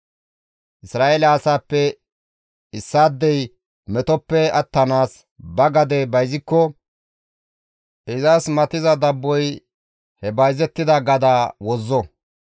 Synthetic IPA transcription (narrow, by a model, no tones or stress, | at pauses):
ʔɪsɾaːʔelɐɐsaːpːɛ | ɪsːaːd̪ːɛj | mɛt̪ɔpːɛɐt̪ːɐnaːs | bɐɡɐd̪ɛbɐjzɪkːɔ | ʔɪzasmɐt̪ɪzɐd̪ɐbːɔj | hɛbɐjzɛt̪ːɪd̪ɐɡɐd̪aːwɔzːɔ